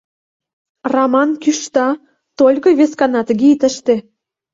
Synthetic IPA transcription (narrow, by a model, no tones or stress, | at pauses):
rɑmɑnkyʃt̪ɑ | t̪olʲkɤ̆βeskɑnɑt̪ɡet̪ə̆ʃt̪ĕ